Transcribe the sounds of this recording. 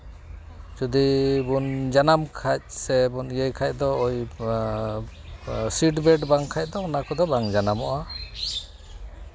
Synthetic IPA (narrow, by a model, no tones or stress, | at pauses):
d͡ʒud̪ibund͡ʒanamkʰac̚sɛbunɡɛjkʰac̚ˀd̪ɔɔj | siʈbɛɖbaŋkʰac̚ˀd̪ɔɔnakɔd̪ɔbaŋd͡ʒanamɔʔa